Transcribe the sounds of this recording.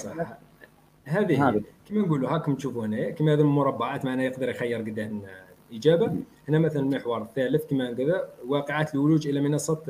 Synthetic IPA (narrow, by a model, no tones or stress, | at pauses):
sˤɑħ | hæd̪ihkəmːænɡuluhækmt̪ʃufuhnækimæhðilmʊɾˤɑbːɑʕat̪maʕnæjəqd̪əɾjxæjːəɾˤɡəd̪ːæhmnʔəd͡ʒæba | hənːæmæt̪ællməħwɑɾˤθːæləθkimænɡəðæwɑqəʕat̪lwʊlud͡ʒʔəlæmənɑsˤːɑt̪